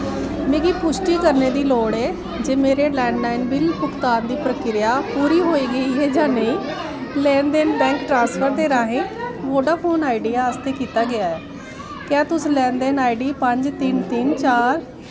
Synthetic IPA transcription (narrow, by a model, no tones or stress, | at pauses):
mẽːɡiːpʊʃʈiːkəɾneːd̪iːloːɽɛː | d͡ʒeːmeːɾeːlɛ̃ːɳɖlaːɪnbɪlpʊkt̪aːnd̪iːpɾəkɪɾɪjaːpuːɾiːɦoːiːɡəiːɦɛːd͡ʒãːneĩː | lɛ̃ːnd̪eːnbɛ̃ːŋkʈɾãːnspʰəɾd̪eːɾaːɦẽːʋoːɖaːpʰoːnaːɪɖijaːəst̪eːkiːt̪aːɡɪaːɛː | kãːt̪ʊslɛ̃ːnd̪eːnaːɪɖiːpəɲd͡ʒt̪ɪnt̪ɪnt͡ʃaːɾ